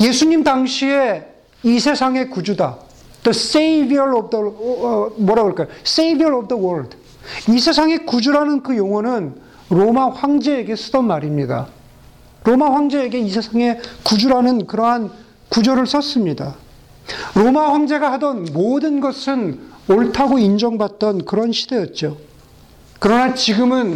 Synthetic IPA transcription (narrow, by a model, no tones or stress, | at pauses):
je̞sʰuɲimdaŋɕʰie | isʰe̞sʰaŋe̞kud͡ʑuda | t͈os͈eibiʌɾʌb̚dʌ | mwʌɾaɡʌɭk͈ajos͈eibiʌɾʌb̚dʌwʌɭd | isʰe̞sʰaŋe̞kud͡ʑuɾanɯnkɯjoŋwʌnɯn | ɾomaɸwaŋd͡ʑe̞ːɡe̞sʰɯdʌnmaɾimɲida̰ | ɾomaɸwaŋd͡ʑe̞ːɡe̞isʰe̞sʰaŋe̞kud͡ʑuɾanɯnkɯɾʌɦan | kud͡ʑʌɾɯɭs͈ʰʌs͈ɯmɲida | ɾomaɸwaŋd͡ʑe̞ɡahadʌnmodɯnɡʌsʰɯnoɭtʰaɡoind͡ʑʌŋbat̚t͈ʌnkɯɾʌnɕʰid̥e̞jʌt̚t͡ɕ͈o | kɯɾʌnat͡ɕiɡɯmɯn